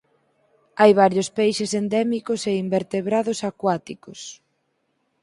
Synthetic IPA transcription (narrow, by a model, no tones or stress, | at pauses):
ajβ̞aɾjospejʃesend̪ɛmikʊseimbeɾt̪eβɾaðʊsakwat̪ikos